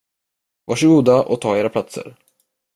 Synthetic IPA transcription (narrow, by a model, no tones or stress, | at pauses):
vaʂɪɡuːd̪aʔɔ̰t̪ʰɑːeːɾapʰlat̪sə̰ɾ